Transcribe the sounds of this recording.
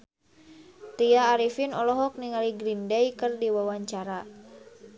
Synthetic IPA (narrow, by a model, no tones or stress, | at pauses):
t̪iaːɾifinɔlɔɦɔk̚niŋaliɡɾindɛjkɨrdiwawaɲt͡ʃaɾa